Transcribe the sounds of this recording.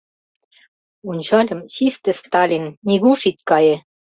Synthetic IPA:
unʲt͡ɕɑlʲɤ̆mɕist̪ɘ̆st̪ɑlʲinːʲiɣuʃit̪kɑje

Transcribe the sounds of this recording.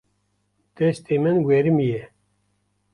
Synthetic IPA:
d̪̥ɛst̪ʰeːmɨnwɛɾɨmijɛ

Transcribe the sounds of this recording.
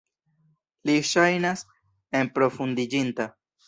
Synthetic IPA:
liʃajnas | e̞mpɾo̞fundid͡ʒinta

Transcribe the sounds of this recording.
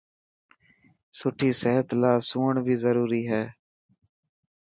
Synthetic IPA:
sʊʈʰiːsəɦət̪laːsuːəɳʋʱiːzəɾuːɾiːɦɛː

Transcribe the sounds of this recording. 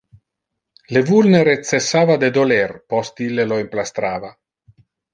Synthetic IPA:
levulneɾet̪t͡sesːaːvad̪ed̪olɛrpɔst̪ilːeloimplast̪ɾaːva

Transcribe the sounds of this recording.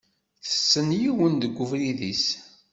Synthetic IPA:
θə̥sːənjiwənd̪əɡʷːʊvɾiðis

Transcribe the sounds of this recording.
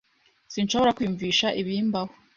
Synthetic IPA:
sinʃo̞βoɾakwiɱviːʃaʔiβiːmbaho

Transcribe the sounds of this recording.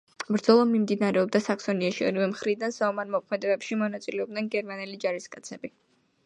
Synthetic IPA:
bɾd̪zɔlˠamimd̪inaɾɛɔb̚d̪asaksɔniaʃiɔ̰ɾivɛmχɾid̪ansaɔmaɾmɔkʰmɛd̪ɛbɛpʃimɔnat̪sʼilɛɔb̚d̪nɛnɡɛɾmanɛlid͡ʒaɾiskʼat̪sʰɛbi

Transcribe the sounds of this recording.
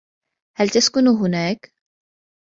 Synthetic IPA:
halt̪askʊnuɦʊnaːk

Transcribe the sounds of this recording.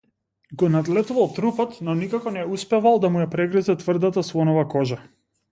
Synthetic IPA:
ɡɔnad̪lɛt̪uvalˠt̪ɾupɔt̪nɔnikakɔnɛuspɛvalˠd̪amujapɾɛɡɾizɛt̪vr̩d̪at̪aslˠɔnɔvakɔʒa

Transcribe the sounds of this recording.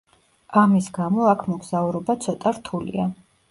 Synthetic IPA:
amisɡamɔakʰmɔɡz̥auɾɔbat̪sʰɔt̪ʼaɾt̪ʰulḭa

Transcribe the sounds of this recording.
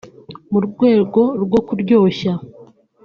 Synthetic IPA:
muɾɡwe̞ːɡo̞ɾɡo̞kuɾɟo̞ːça

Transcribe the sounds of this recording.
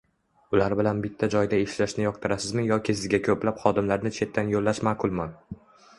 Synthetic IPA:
ʊlaɾbɪlanbɪt̪ʰːad͡ʒɒjd̪aeʃlaʃnɪjɒqt̪ʰɪɾasɪzmɪjɒkʲɪsɪzɡʲakʰɵplapχɒd̪ɪmlaɾnɪt͡ʃʰe̞t̪ʰːanjolːaʃmaːqʰʊlˠman

